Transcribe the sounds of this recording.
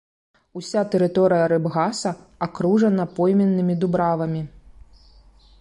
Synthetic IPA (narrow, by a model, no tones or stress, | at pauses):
usʲat̪ɛɾɨt̪ɔɾɨjɐɾɛbɣasɐ | akɾuʐɐnɐpɔjmʲɛnːɨmʲid̪ubɾavɐmʲi